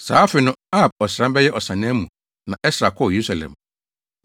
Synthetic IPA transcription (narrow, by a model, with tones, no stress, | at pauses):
saː˨˦fɪ˨nʊ̃˦a˦˨b̚ɔ˨sɾã˦m˦bɛ˦jɛ˦ʔɔ˨sã˨nɪ̃˦ɛ˦mũ˨ | nã˨ʔɛ˦sɾa˨kʰɔ˦˨je˨ɾu˦sa˨lɛ̰̃˨m